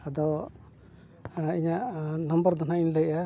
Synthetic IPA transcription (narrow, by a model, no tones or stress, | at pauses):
ad̪ɔ | iɲaʔnɔmbəɾd̪ɔnaʔinlɛjʔa